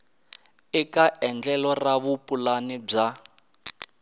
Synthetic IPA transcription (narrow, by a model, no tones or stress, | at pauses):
ikaʔɛnd͡ɮɛlɔraβupulanib͡ʐa